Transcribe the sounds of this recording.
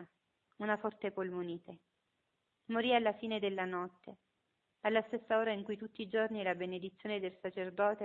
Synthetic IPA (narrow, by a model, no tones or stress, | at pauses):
unafɔrt̪epolmoniːt̪e | moɾialːafiːned̪elːanɔt̪ːe | alːast̪esːaoːɾaiŋkujt̪ut̪ːiːd͡ʒornilabened̪it̪sːjoːned̪elsat͡ʃerd̪ɔːt̪e